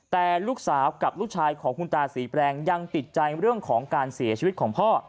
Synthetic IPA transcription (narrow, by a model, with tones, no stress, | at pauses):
t̪ɛː˨˩luː˥˩k̚saː˩˦wka˨˩p̚luː˥˩k̚t͡ɕʰaː˧jkʰɔː˩˦ŋkʰu˧nt̪aː˧siː˩˦pɾɛː˧ŋja˧ŋt̪i˨˩t̪̚t͡ɕa˧jɾɯ˥˩əŋkʰɔː˩˦ŋkaː˧nsi˩˦t͡ɕʰiː˧˦˥t̪̚kʰɔː˩˦ŋpʰɔː˥˩